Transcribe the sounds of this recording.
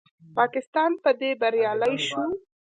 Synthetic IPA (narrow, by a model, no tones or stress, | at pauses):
pɑkɪst̪ɑnpəd̪ebaɾjɑləjʃu